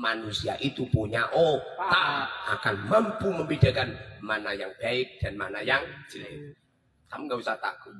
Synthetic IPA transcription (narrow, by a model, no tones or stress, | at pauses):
manusia̰ʔit̪upuɲaʔot̪aa̰kanmampuməmbidakanmanajaŋbaɪk̚d̥anmanajaŋd͡ʒiai | t̪amŋɡabisat̪a̰ku